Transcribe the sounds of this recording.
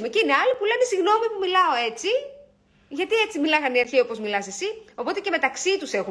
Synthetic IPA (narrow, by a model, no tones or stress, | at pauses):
meceineɐlipule̞nesiɣno̞mipumilɐo̞e̞t͡si | ʝɐt̪ie̞t͡similɐɣɐniɐɾçio̞po̞zmilɐsesio̞po̞t̪e̞ceme̞t̪ɐksit̪use̞xu